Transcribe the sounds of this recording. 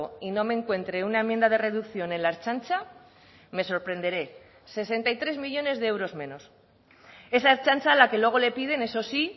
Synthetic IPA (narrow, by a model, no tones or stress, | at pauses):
ino̞me̞ŋkwe̞nt̪ɾe̞unaemje̞nd̪að̞e̞re̞ðukθjo̞nẽ̞nlaeɾt͡ʃant͡ʃa | me̞so̞ɾpɾe̞nd̪e̞ɾe̞ | se̞s̬e̞nt̪ajt̪ɾe̞zmiʎo̞ne̞zðe̞ewɾo̞zmẽ̞no̞s | e̞saeɾt͡ʃant͡ʃalake̞lwe̞ɣ̞o̞le̞pið̞e̞ne̞so̞si